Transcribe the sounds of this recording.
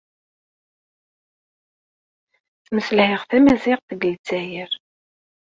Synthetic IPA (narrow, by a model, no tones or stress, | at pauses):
θməsəlhɪʁθæmæzɪqθəɡəlt͡sːæjəɾ